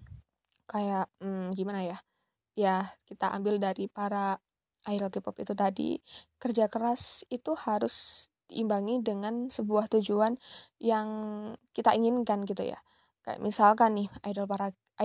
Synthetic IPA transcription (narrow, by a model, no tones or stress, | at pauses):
kajaʔm̩ɡimanaja | jakit̪aʔa̰mbɪldaɾipaɾa | ʔːjɾəlkipɔpḭt̪ut̪adḭkərd͡ʒakəɾasit̪uhaɾʊsd̥iʔːmbaŋidəŋansəbuaht̪ud͡ʒuanjaŋkit̪aʔiŋɪnkanɡit̪ṵja̰ | kaja̰ʔmʔisalkanːɪajdəlpaɾa